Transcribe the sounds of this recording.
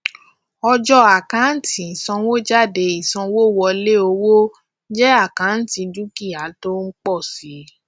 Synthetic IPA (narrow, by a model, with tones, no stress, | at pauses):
ɔ˧d͡ʒɔ˧a˨kã˨˦n̩˦tĩ˨i˨sɔ̃˧wo˦d͡ʒa˦˨de˨˧i˨sɔ̃˧wo˦˨wɔ˧le˦o˧wo˦ | d͡ʒɛ˦a˦˨kã˨˦n̩˦ti˧du˦ki˦˨a˨˦to˦ŋ̩˦k͡pɔ˦˨si˨˦